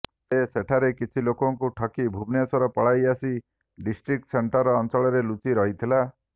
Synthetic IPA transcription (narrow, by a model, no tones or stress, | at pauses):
seseʈʰaɾekit͡ʃʰilokɔŋkuʈʰɔkibʱubnjasɔɾɔpɔɭajasi | ɖisʈɾik̚ʈseɳʈɔɾɔːnt͡ʃɔɭɔɾelut͡ʃiɾɔɦit̪ʰila